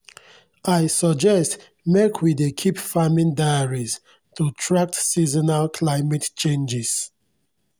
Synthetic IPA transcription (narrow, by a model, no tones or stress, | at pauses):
ajsɔd͡ʒɛst | mɛkʰwidekʰipfamĩndaaɹis | tutʰɹak̚tsizɔnalkʰlaɪmɛtt͡ʃẽnd͡ʒis